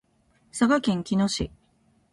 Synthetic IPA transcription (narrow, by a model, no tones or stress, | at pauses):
saɡakẽ̞ŋkʲino̞ɕḭ